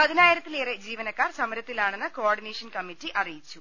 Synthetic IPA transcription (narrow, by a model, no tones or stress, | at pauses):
pɐðinaːjiɾɐt̪ːileːred͡ʑiːʋɐnɐkːaːrsɐmɐɾɐt̪ːilaːɳenːɨkoaːrɖineːʂɐnkɐmitːiʔɐrijit͡ɕːu